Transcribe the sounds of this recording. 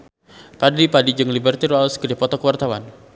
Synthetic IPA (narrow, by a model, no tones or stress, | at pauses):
padipadid͡ʒɨŋlibərt̪iralskədipɔt̪ɔkəwart̪awan